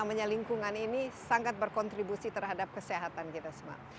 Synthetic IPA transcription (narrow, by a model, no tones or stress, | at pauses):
amaɲaliŋkuŋaninisaŋat̪̚bərkɔnt̪ɾibusit̪ərɦadap̚kəseɦat̪ankit̪asəma̰